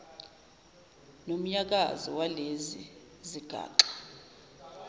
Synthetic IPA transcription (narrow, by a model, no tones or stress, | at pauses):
nom̩ɲak̬a̰zɔ̰walezḭ | ziɡ̥ʱa̰ːǃḁ